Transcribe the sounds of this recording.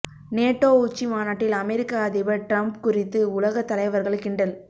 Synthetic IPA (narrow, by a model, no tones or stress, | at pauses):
neːʈːoːʊt͡ʃːimaːnaːʈːɪlɐmɛɾɪkːaɐðɪbɐʈɾɐmpkʊrɪt̪ːɯʊlɐɣɐt̪ːɐlɐɪʋɐɾɣɐɭɯkːɪɳɖɐl